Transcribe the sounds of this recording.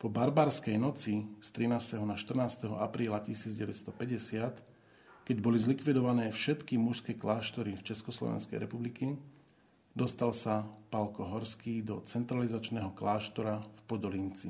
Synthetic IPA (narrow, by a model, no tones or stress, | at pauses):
pɔbaɾbaːɾskɛjnɔt͡sist̪ɾinaːst̪ɛɦɔnaʃt̪r̩naːst̪ɛɦɔ̰apɾiːlacisiːd͡zɟɛʋɛt̪st̪ɔpɛɟɛsɪat̪ | kɛɟbɔlizlikʋid̪ɔʋanɛːfʃɛt̪kimuʃskɛklaːʃt̪ɔɾift͡ʃɛskɔslɔ̰ʋɛ̰nskɛ̰jɾɛpubliki | d̪ɔst̪alsapalkɔɦɔɾskiːd̪ɔt͡sɛnt̪ɾalizat͡ʃnɛːɦɔklaːʃt̪ɔɾafpɔd̪ɔlint͡si